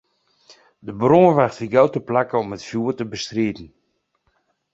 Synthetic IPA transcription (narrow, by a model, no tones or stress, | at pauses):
dəbroːʋaxtfiɡawtəplakəɔmətfjuːətəbəstriːtn̩